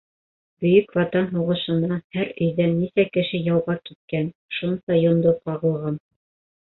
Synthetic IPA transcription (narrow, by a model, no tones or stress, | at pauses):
bɵ̆jɵkvɑt̪ɑnɦuʁɤ̆ʃɤ̆nɑhæɾɵ̆jðænːisækɘ̆ʃɘjɑwʁɑkit̪̚kænʃunsɑjond̪oqɑʁɤ̆lˠʁɑn